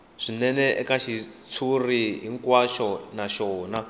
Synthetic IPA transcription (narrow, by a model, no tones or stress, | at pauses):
ʂinɛnɛʔɛkaʃit͡sʰuriɦiŋkwaʃɔnaʃɔːna